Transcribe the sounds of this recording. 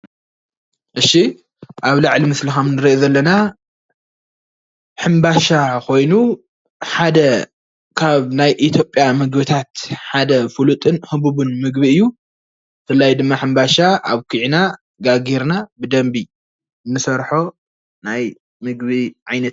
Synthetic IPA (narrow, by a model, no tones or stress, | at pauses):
ʔɨʃːi | ʔaβlaʕlimɨslixɐmnɨɾiʔozɐlːɐna | ħɨmbaʃakʰo̞jnu | ħad̪ɐ | kʰaβnajʔit̪ʰjo̞pʼːjamɨɡbɨt̪ʰat̪ħad̪ɐfulut̪ʼɨnhɨβuβunmɨɡ̚biɨjːu | fɨlːajd̪ɨmːaħɨmbaʃaʔa̰βkʰɨʕina | ɡaɡeɾnabɨd̪ɐmbi | nːɨsɐɾħo̞ | naj | mɨɡβiʕajnɐt̪